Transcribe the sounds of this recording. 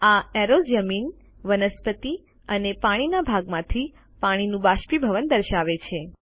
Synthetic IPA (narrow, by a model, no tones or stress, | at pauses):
aɛɾod͡ʒəmin | ʋənəspət̪i | ənepaɽ̃inabʱaɡmãt̪ʰi | paɽ̃inũbaʃpibʱəʋənd̪əɾʃaʋet͡ʃʰe